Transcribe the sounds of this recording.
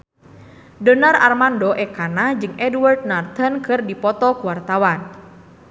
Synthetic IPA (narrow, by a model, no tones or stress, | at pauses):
dənara̰rmandɔʔɛkanad͡ʒɨŋʔɛdward̪̚nart̪ənkʰɨrdipɔt̪ɔkuwart̪awan